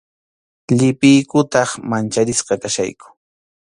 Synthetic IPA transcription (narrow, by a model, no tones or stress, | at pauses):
ʎɪpɪjkʊt̪ɑχmant͡ʃaɾɪʃqɑkaʃa̰jkʊ̥